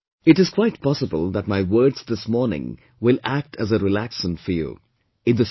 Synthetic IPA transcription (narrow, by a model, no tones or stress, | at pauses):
ɨʈɨz̥kʰw̥aɪt̚pʰɑsəbəlˠðæt̚maɪwə˞dz̥ðɪsmɔːɹnɪ̰̃ŋ | wɪlæk̚ʈʰæzəɾɪlæksə̃ntfəjṵ | ɨ̃ndðɨ